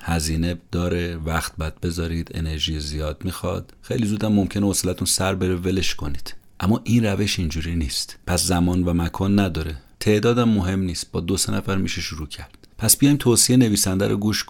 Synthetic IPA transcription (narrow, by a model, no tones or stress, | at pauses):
hæziːne̞d̪̥ɒːɾevæxt̪̚bæd̪̚be̞zɒːɾid̪e̞̰ne̞ɾʒiːzijɒːd̪̥̚miːxɒ̰d̪̥xe̞jlizuːd̪æmːomcʰe̞neoslæt̪ʰunsæɾbe̞ɾevele̞ʃkʰo̞niːd̪̥ʔæmːɒːʔinræve̞ʃind͡ʒuːɾiːniːst̪pʰæszæmɒːnvæmækʰɒːnːæd̪ɒːɾet̪ʰe̞ʔd̪ɒːd̪æmːoɦe̞mniːst̪̚b̥ɒːd̪osenʔæfæɾmiʃeʃuɾuːcʰæɾd̪̥pʰæsb̥ijɒjmt̪ʰoːsiene̞viːsænd̪æ̰ɾʔo̰ɡuːʃk